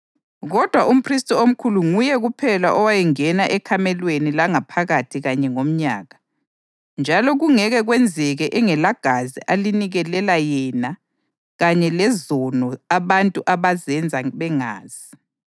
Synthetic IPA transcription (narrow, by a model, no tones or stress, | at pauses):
ɣɔd̥ʱwaʔum̩pʰristʼɔom̩kʰuluŋujɛɣupʰɛlaʔɔwajɛŋɛnaʔɛkʰamɛlwenilaŋapʰaɣatʰiɣaɲɛŋom̩ɲa̰ːɣa | nd͡ʒʱalɔɣuŋɛɣɛɣwɛnd͡zʱɛɣɛʔɛŋɛlaɡ̥ʱazḭʔaliniɣɛlɛlajɛːna | ɣaɲɛlɛzɔnɔaβantʼuʔaβazɛnd͡zʱaβɛŋa̰ːz̥i